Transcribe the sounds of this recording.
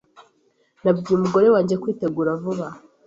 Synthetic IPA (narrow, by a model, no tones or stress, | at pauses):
nabɟiumuɡo̞ɾe̞waːɲɟekwiːte̞ɡuːɾavuβa